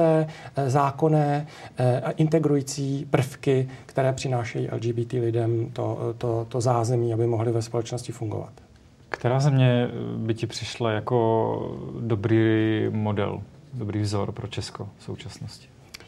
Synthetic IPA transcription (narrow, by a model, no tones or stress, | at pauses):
ɛːzaːko̞nɛː | ʔɪnt̪ɛɡɾujiːt͡siːpr̩fkɪkt̪ɛɾɛːpr̥ɪnaːʃɛjiːʔɛ̰ld͡ʒiːbiːt̪iːlɪdɛmt̪o̰t̪ot̪ozaːzɛmiːabɪmoɦlɪvɛspo̞lɛt͡ʃnoscɪfuŋɡo̰va̰t̪ | kt̪ɛɾaːzɛmɲɛbɪcɪpr̥ɪʃlajako | dobɾiːmodɛ̰l | dobɾiːvzoɾpɾot͡ʃɛskofsowt͡ʃasnoscɪ̥